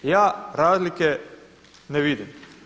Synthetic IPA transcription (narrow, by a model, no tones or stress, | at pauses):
jaːɾaːzlike | neʋid̪im